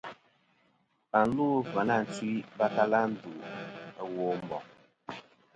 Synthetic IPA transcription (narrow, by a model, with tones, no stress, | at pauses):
pa˨n˦lu˦va˨na˦˨n̩˨t͡si˦i˦ba˦ta˦la˦n̩˦du˨woː˦m̩˦bɔ˨